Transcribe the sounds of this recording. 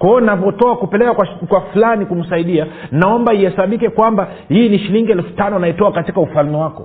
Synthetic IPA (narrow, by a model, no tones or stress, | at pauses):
kwɔɔnapɔtɔakupɛlɛkakwakwafulanikum̩saiɗianaɔmbaihɛsaɓikɛkwamba | hiːniʃiliŋɡiɛlfu̥tanɔanaitɔakatikaufalmɛwakɔ